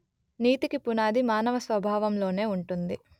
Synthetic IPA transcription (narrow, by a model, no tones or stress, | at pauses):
niːt̪ikipunaːd̪imaːnɐʋɐsʋɐbʱaːʋɐmlo̞ːne̞ːuɳʈund̪i